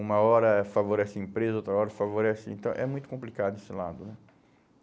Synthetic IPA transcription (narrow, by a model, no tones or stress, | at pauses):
ũmɐɔɾɐfavoɾɛsɪɐĩpɾezɐowt̪ɾɐɔɾɐfavoɾɛsɪḛ̃nt̪ɐ̃w̃ʔɛ̰mũj̃t̪ʊ̥kõmplikad̪ʊnesɪla̰d̪ʊnɛ